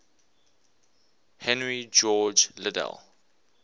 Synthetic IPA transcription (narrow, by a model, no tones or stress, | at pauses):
hɛ̃nɹid͡ʒɔːd͡ʒlɪdɛ̰lˠ